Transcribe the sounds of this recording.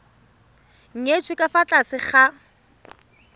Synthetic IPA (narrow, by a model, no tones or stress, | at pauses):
ŋ̩ŋet͡sʰwɪkʼafat͡ɬʼasɪχa